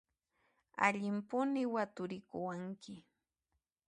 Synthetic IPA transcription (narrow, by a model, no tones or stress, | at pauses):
a̰ʎɪmpʊnɪwat̪ʊɾɪkʊwaŋkɪ